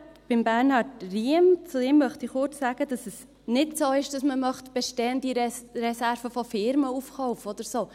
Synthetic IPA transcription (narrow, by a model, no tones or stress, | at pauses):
b̥ɪmbæɾnhɑtriəmt͡suɪmːœχt̪iχʊɾt͡sːæɡ̥ədɑsəs | nɪtsoːɪʃd̥ɑsməmœχt̪b̥ɛʃtɛənd̪iɾɾɛsæɾfəfɔfɪɾməufkɔʊfɔd̪əɾsoː